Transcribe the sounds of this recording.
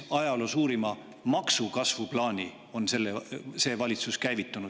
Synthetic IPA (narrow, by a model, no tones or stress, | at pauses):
ɑjɑlosuːɾimɑ | mɑksukɑsvuplɑːnʲi | o̞nse̞lːese̞ːvɑlʲit̪suskæjvit̪ːˑunu̥